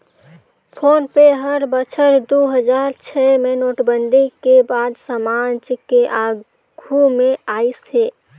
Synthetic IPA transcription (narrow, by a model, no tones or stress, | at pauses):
pʰoːnpeɦəɾbət͡ʃʰəɾd̪oɦəd͡ʒaːɾt͡ʃʰɛmẽnoːʈbənd̪ʱikebaːd̪samaːd͡ʒkeʔaː | ɡʱumẽaːisɦeː